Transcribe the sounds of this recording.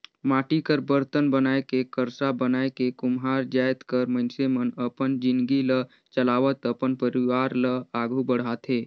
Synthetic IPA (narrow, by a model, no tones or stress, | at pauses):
maːʈikəɾbəɾt̪ənbənaːekekəɾsabənaːekekʊmɦaːɾd͡ʒaːjt̪kəɾməɪnsemənəpənd͡ʒɪ̃nd̪ɡilə | t͡ʃəlaːʋət̪əpənpəɾiʋaːɾləaːɡʱubəɽ̤at̪ɦeː